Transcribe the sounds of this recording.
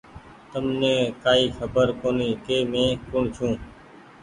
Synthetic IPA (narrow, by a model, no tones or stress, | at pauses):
t̪əmnẽːkaːiːxʰəbəɾkoːniːkeːmẽːkʊɳt͡ʃʰũː